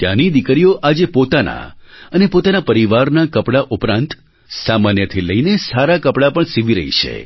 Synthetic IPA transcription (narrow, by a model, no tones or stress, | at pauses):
t̪ja̰nid̪ikɾijoʔad͡ʒepot̪ana̰ənepot̪anapəɾiʋaɾnakəpɽaʔupɾãnt̪ | samanjət̪ʰiləinesaɾakəpɽapəɳsiʋiɾə̰ɦḭt͡ʃʰḛ